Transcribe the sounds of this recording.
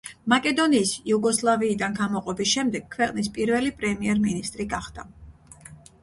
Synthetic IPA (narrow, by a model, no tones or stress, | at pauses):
makʼɛd̪ɔniːsiuɡɔslˠaviːd̪anɡamɔqʼɔbisʃɛmd̪ɛɡkʰvɛqʼnispʼiɾvɛlipʼɾɛmiɛɾminist̪ʼɾiɡaχd̪̥a